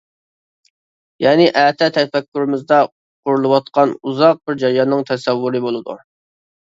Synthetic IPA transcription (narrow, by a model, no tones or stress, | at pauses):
jɛːnɪʔæːt̪ʰɛt̪ʰɛfɛkʲːyɾɪmɪzd̪ɛ | qʰʊɾulˠɨwɑt̪̚qʰɑnuzɑq̚bɪɾd͡ʒæɾjɑnːɨŋt̪ʰɛsɛwːuɾɨbolˠɨd̪ṵ